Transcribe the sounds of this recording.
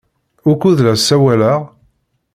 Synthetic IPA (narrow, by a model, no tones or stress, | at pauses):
ʊkuðlæsːæwælæʁ